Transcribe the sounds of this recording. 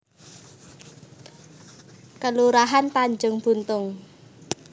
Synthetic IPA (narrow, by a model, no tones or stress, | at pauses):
kəluɾaɦant̪aɲd͡ʒʊŋb̥ṳnt̪ʊŋ